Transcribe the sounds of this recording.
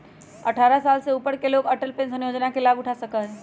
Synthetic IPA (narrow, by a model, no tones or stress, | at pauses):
ɐʈʰaːɾasaːlseuːpəɽkeloːɡɐʈəlpẽsɐ̃njoːd͡ʒnakelaːbʊʈʰasɐkaɦɛ̃ː